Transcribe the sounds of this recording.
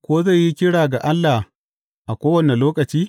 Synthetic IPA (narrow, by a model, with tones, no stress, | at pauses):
kʷoː˦za˦˨jji˦kʲɪ˦ɽaː˨ɡa˨ʔa˦lːa˨h | ʔa˨kʷoː˦wɐ˨ne˨loː˦kɐ˨t͡ʃiː˦